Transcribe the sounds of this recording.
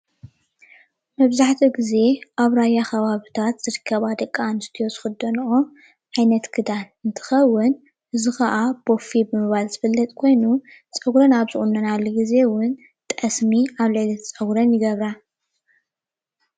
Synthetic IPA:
mɐβzaħt̪ʰiɡize̞ʔaβɾajaxɐβaβit̪ʰat̪z̥ɨɾɨkʰːɐβad̪ɐkʼːanɨst̪ʰijo̞zɨxɨd̪ːɐnʔo | ʕajnɐt̪ɡʰɨd̪anɨnt̪ʰɨ̥xɐwːʊn | ʔɨzɨxɐʔab̥o̞fibɨmɨβalzɨfɐlːɐt̪ʼkʰo̞jnu | t͡sʼɐɡɾɐnaβzɨχʼunːɐnalːoɡize̞wʊn | t̪ʼɐsmiaβlɨʕlɐt̪t͡sʼɐɡɾɐnjɪɡɐβɾa

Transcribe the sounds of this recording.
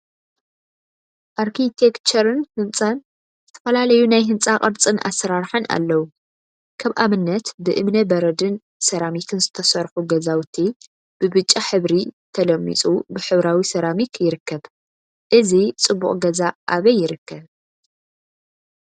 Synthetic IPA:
ʔaɾkʰit̪ʰekt͡ʃʰɐɾɨnhɨnt͡sʼan | zz̥ɨt̪ʰɐ̥fɐlalɐjunajɦɨnt͡sʼaqʼɨɾt͡sʼɨnʔa̰sɐɾaɾħɨnʔa̰lːɐwu | kʰɐβʔamɨnːɐt̪bɨʔɨmnɐbɐɾɐd̪ɨn | sɐɾamik̪ʰɨnzɨt̪ʰɐsɐɾħuɡɐzawt̪ʰi | b̥ɨβɨt͡ʃʼːaħɨβɾit̪ʰɐlɐmːḭt͡sʼubɨħɨβɾawisɐɾamikʰjɪɾɨkʰːɐβ | ʔɨzit͡sʼɨbːuχʼɡɐzaʔaβɐjːɪɾɨkʰːɐβ

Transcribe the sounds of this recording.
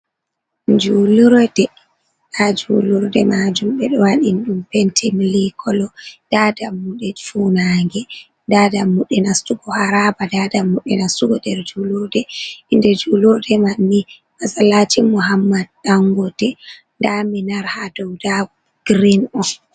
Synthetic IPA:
d͡ʒuluɾdɛ | ʔad͡ʒuluɾdɛmad͡ʒumɓɛɗɔwaɗinɗumpɛntʰɛmilikʰɔlɔd̥adamːuɗɛfunaŋɡɛ | dadamːuɗɛnastuɡɔhaɾabadadamːuɗɛnastuɡɔdɛɾd͡ʒuluɾdɛindɛd͡ʒuluɾdɛmanːi | masalatimuɦamːad̚ɗaŋɡɔdɛ | ndaminaɾhadɔwdaɔ | ɡ̥ɾinɔ

